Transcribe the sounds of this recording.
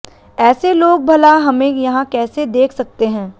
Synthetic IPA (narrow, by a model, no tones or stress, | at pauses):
ɛːseloːɡ̚bʱɐlaɦɐmẽjɐɦãkɛːsed̪eːkʰsɐk̚t̪eɦɛ̃ː